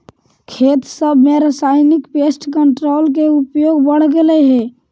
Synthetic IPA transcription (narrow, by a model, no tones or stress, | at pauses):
kʰeːt̪səbʱmeɾəsaːɪnɪkpeːsʈkəɳʈɾoːlk̬eupjoːɡbəɽ̤ɡəleɦɛː